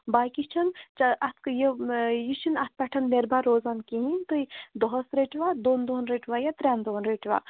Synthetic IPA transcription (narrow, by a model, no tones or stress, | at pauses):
baːjkit͡ʃʰɐnt͡ʃaʔɐt̪ʰkjejit͡ʃʰinɐt̪̚ʰpɐʈʰɐnmeɾbʱaɾoːzaːnkiɦint̪ɨid̪ɔɦsɾeʈʰʋad̪oːnd̪oːnɾeʈʰʋajat̪ɾʲaːnd̪oːnɾeʈʰʋa̰